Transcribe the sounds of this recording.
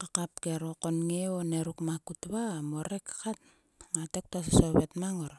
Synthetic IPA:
kakapkeɾoko̞nŋeoneɾukmakutβamo̞ɾe̞kːḁkat̚ | ŋatek̚tas̬aso̞βetmaŋoɾ

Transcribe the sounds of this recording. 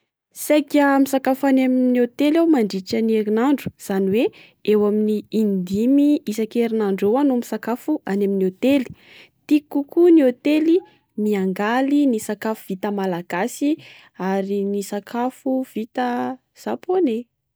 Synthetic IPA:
sajkamisakafaneminniot̪elawmaɳɖ͡ʐit͡ʃaneɾinaɳɖ͡ʐu̥z̥aniwe | ewaminiːnd̪imiisakeɾinaɳɖ͡ʐowanumisakafuaneminiot̪eli̥ | t̪ikukuniot̪eli | miaŋɡalinisakafuv̥it̪əmalaɡ̥asi | aɾinisakʰafuv̥it̪ə | z̥apone

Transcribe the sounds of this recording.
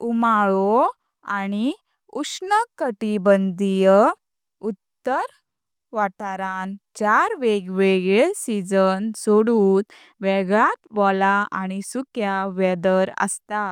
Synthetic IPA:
umaɭɔ | añi | usnəkəʈibənd̪ijə | ut̪ːəɾ | ʋaʈaɾant͡ɕaɾʋeɡʋɛɡesid͡zənsoɽuːt̪ | ʋɛɡɭat̪ʋɔlaañisukjaʋɛd̪əɾə̰st̪a

